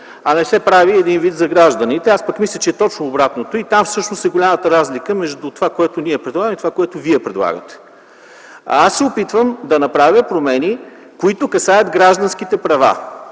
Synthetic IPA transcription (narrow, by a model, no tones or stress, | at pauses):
ɐnɛsɛpɾaviɛd̪invit̪zɐɡɾaʒd̪ɐnit̪ɛaspəkmislʲət͡ʃɛːt̪ɔt͡ʃnoːbɾat̪not̪oit̪amfsɤʃnost̪ɛɡolʲamət̪əɾazlikəmɛʒd̪ut̪ovakoɛt̪ʊniɛpɾɛd̪lˠaɡəmit̪ovakoɛt̪ʊviɛpɾɛd̪lˠa̰ɡə̰t̪ɛ̥ | asːɛopit̪vəmd̪ɐnɐpɾavʲjəpɾomɛni | koit̪ʊkɐsajəd̪ɡɾaʒd̪ɐnsk̟it̪ɛpɾɐva̰